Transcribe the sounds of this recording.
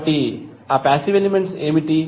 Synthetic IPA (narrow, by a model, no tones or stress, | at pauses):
ʈi | aːpaːsiʋelimeɳʈseːmiʈi